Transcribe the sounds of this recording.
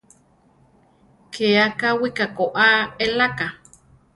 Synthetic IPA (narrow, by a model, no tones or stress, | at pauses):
kʰeakawikakoʔaelaka